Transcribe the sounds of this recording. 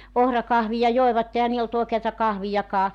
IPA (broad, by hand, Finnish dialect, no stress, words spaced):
ohrɑkɑhʋijɑ joeʋɑtːe ehæ niːl olt oˑekeɑtɑ kɑhʋijɑkɑː